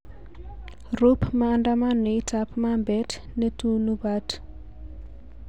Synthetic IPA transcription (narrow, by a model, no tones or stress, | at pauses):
rupmaːndamanɔitapmambɛt | netunubat